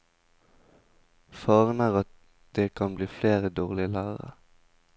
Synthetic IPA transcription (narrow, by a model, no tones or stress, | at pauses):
fɑːʁnəʁɑt̪̚ | d̪̥eːkʰɑnbliːfleːʁəd̪oːʁlɪəlæːʁə̰